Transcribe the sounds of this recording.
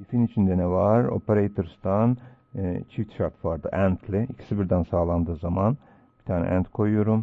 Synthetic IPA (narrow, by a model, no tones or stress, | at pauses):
ifinyt͡ʃʰynd̪ɛnɛvaɾo̰peɾejt̪ʰoɾst̪an | t͡ʃʰift̪ʃaɾt̪ʰvaɾd̪ɯ̰ʔænt̪ʰlʲiicʰi̥sibiɾd̪ænsaːlˠand̪ɯːzaman | bi̥t̪ʰaːnɛ̰ʔænt̪kʰo̞jujoɾum